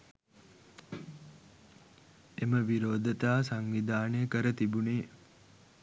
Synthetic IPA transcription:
eməʋiɾoːd̪ʱət̪aːsaŋʋid̪aːnəjəkəɾət̪ibuneː

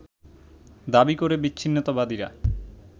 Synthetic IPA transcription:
d̪abikoɾebitːʰinːot̪abad̪iɾa̰

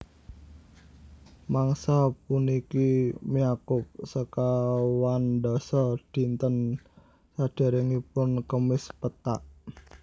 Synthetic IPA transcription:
maŋsap̚unikimijakʊp̚səkawanɖɔsɔd̥i̤nt̪ən | sad̥a̤ɾəŋipʊnkəmɪspət̪aʔ

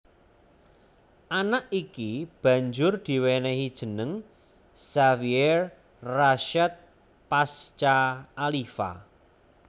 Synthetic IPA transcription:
ʔanaʔikib̥ä̤ɲd͡ʒʊrd̪̥i̤wenɛɦid̥ʒ̥ə̤nəŋ | saviɛr | raʃɛt̪̚ | past͡ʃaːlifa̰

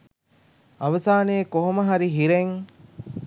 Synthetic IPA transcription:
ɐʋɐsaːneːkoɦoməɦɐɾiɦiɾeŋ

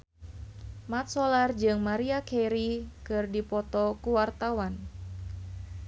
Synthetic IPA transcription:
mat̪̚sɔlard͡ʒɨŋmaɾiakeɾikɨrdipɔt̪ɔkuwart̪awan

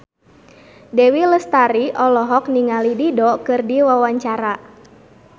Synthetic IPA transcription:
dɛwiləst̪aɾiʔɔlɔɦɔk̚niŋalididɔkɨrdiwawaɲt͡ʃaɾa

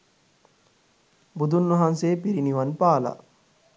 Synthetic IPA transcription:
bud̪unːuɦanseːpiɾiniʋanpaːla̰

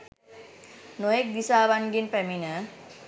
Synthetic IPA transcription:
nojek̚d̪isaβanɡinpɛmina

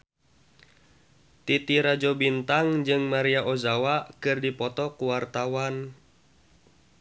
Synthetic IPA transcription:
t̪it̪iɾad͡ʒɔbint̪aŋd͡ʒɨŋmaɾiaʔozawakɨrdipɔt̪ɔkuwart̪awan

